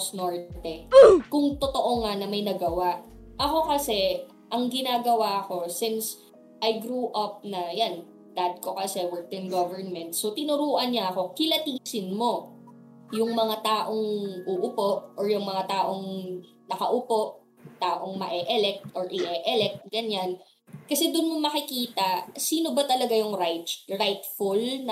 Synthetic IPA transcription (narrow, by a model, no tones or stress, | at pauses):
snoɹt̪ɛkʊŋt̪ot̪o̞ʔoŋanɐmɐjnɐɡɐwaʔʔɐko̞kɐsɛ | ʔɐŋɡɪnaːɡɐwaɐko̞sɪns | ʔɐjɡɾuːʔɐp̚nɐjan | d̪aːd̪̚ko̞kɐsɛwɛɹk̚t̪ɪnɡovɛɹnmɛnt̪̚sot̪ɪnʊɾuːʔɐnɲɐʔɐko̞kɪlɐt̪iːsɪnmo̞ | jʊŋmɐŋat̪aːʔo̞ŋʔuʔʊpo̞ʔɔɹjʊŋmɐŋat̪aːʔo̞ŋ | nɐkɐʔʊpo̞ʔ | t̪aːʔoŋmɐʔɛʔɛlɛk̚t̪ʔoɹʔɪʔɛʔɛlɛk̚t̪̚ɡɐɲan | kɐsɛd̪ʊnmomɐkɪkiːt̪ɐsiːno̞bɐt̪ɐlɐɡajʊŋɾajt̪ɹajt̪fʊlnɐ